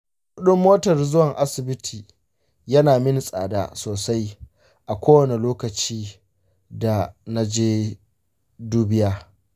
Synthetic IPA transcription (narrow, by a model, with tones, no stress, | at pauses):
kʊ˦ɗʊ˦mːoː˦tɐ˨rzʊ˦wɐ˨ŋʔa˦sɪ˨bɪ˦tʰiː˨ | jɐ˦naː˨mɪ˦n˨sʼa̰ː˨da̰ː˦soː˨sa˦j | ʔa˨kʷoː˦wɐ˨ne˨loː˦kɐ˨t͡ʃiː˦ | da˨na˦d͡ʒeː˦ | duː˦bɪ˦jaː˦